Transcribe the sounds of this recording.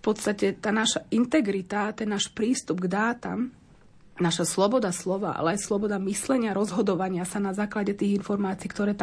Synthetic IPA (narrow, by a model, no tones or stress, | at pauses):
fpɔt̪st̪acɛt̪aːnaʃaint̪ɛɡɾit̪at̪ɛnːaːʃpɾiːst̪ubɡd̪aːt̪a̰m | naʃaslɔbɔd̪aslɔʋa̰ʔa̰lɛajslɔbɔd̪amislɛɲɪaɾɔzɦɔd̪ɔʋaɲɪasanazaːklaɟɛt̪iːɣinfɔɾmaːt͡siːkt̪ɔɾɛːt̪a